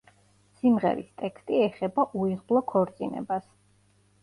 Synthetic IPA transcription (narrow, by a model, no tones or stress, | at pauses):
simʁɛ̰ɾist̪ʼɛkst̪ʼiɛχɛbaʔuiʁblˠɔkʰɔɾt̪sʼinɛ̰bas